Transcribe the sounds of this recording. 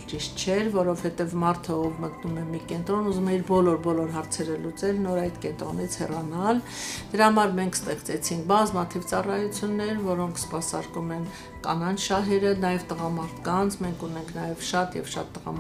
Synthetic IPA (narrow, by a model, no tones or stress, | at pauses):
t͡ʃiʃt̪̚t͡ʃʰɛɾvɔɾɔvhɛt̪ɛvmɑɾt̪ʰəɔvmət̪numɛmikɛnt̪ɾɔnuzumɛiɾbɔlɔɾbɔlɔɾɦɑɾt͡sʰɛɾəlut͡sɛlnɔɾɑjt̪kɛnt̪ɾɔnit͡sʰhɛrɑnɑl | d̪̥əɾɑhɑmɑɾmɛŋkʰst̪ɛχt͡sɛt͡sʰiŋk̚ʰbɑzmɑt̪ʰivt͡sɑrɑjut͡sʰjunːɛɾvɔɾɔŋkʰspɑsɑɾkumɛn | kɑ̰nɑnʃɑɦɛɾənɑjɛvt̪əʁɑmɑɾt̪ʰkɑnt͡sʰmɛŋkʰunɛŋkʰnɑjɛvʃɑt̪jɛ̰vʃɑt̪ːəʁɑ̰